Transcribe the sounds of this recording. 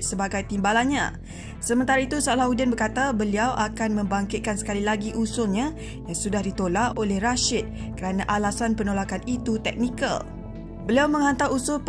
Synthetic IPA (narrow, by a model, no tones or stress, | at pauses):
səbaɡajt̪imbalanɲã̰ | səmənt̪aɾait̪usolahudɛnbərkat̪abəliawʔakanmə̃mbaŋkɪt̪̚kansə̥kalilaɡiʔusʊlɲã | jaŋsudahdit̪olaʔolɛhraʃɪt̪̚ | kəɾanãʔalasanpənolakanit̪ut̪ɛk̚nika̰l | bəliawmə̃ŋant̪aɾusʊlp